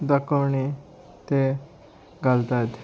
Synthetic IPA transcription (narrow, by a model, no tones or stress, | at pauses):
d̪akəwɳi | t̪e | ɡalt̪at̪